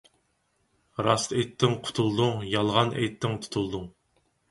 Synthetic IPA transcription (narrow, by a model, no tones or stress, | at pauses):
ɾɑst̪ejt̪ʰːɪŋqʰʊ̥t̪ʰulˠd̪uŋjɑlˠʁɑnʔɛ̰jt̪ʰːɪŋt̪ʰu̥t̪ʰulˠd̪uŋ